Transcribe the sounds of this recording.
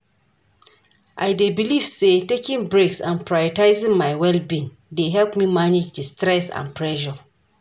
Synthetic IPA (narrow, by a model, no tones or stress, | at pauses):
ʔa̰jdebiliv̥setekĩŋbɹeksã̰npʰɹajɔtaɪzĩŋmaɪwɛlbĩn | deɦɛlpmimaned͡ʒdistɹɛsã̰npʰɹɛʒɔ